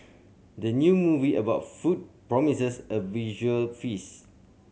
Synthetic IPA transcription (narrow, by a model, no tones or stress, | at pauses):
dənjumuviəbaʊt̚fut̚pɹɔmisəsəviʒuəlfis